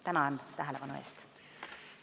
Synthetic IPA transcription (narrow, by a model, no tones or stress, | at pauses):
t̪ænɑnt̪æɦæleʋɑnuḛːst̪